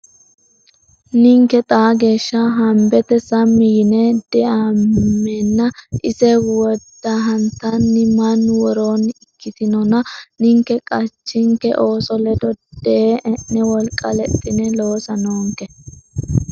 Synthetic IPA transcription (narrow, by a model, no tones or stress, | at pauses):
nɪŋkɛt̪ʼaːɡe̞ːʃːɐɦɐmbɛt̪ɛsɐmːɪjɪnɛd̪̥ɛʔamːɛnːɐʔɪsɛwɔd̪ːɐɦɐnt̪ːɐnːɪmɐnwɔɾoːnɪkːɪt̪ɪnɔnɐnɪŋkːɛkʼɐt͡ʃːɪŋkɛ̰ʔo̞ːsɔlɛd̪ɔd̪̥ɛnːɛwɔlkʼːɐlɛt̪ʼːɪnɛlo̞ːsɐnoːŋkɛ